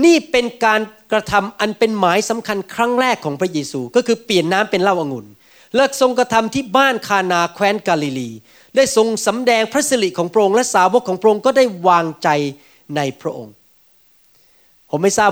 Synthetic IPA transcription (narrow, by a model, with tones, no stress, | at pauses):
niː˥˩pe˧nkaː˧nkɾa˧t̪ʰa˧mʔa˧npe˧nmaː˩˦jsa˩˦mkʰa˧nkʰɾa˦˥ŋɾɛː˥˩kʰːɔː˩˦ŋpʰɾa˦˥jeː˧suː˧kɔː˥˩kʰɯː˧pli˨˩ənːaː˦˥mpe˧nla˥˩wʔaː˧ŋu˧˩n | lɤ˥˩k̚so˧ŋkɾa˧t̪ʰa˧mt̪ʰiː˥˩baː˥˩nkʰaː˧naː˧kʰwɛː˦˥nkaː˧li˧liː˧ | daː˥˩jso˧ŋsa˩˦mdɛː˧ŋpʰɾa˦˥t̪̚si˧li˨˩kʰɔː˩˦ŋpʰɾa˥ʔo˧ŋlɛ˦˥ʔsaː˩˦wo˦˥kʰːɔː˩˦ŋpʰɾa˥ʔo˧ŋkɔː˥˩da˥˩jwaː˧ŋt͡ɕa˧j | na˧jpʰɾa˦˥ʔo̰˧ŋ | pʰo˩˦ma˥˩jsaː˥˩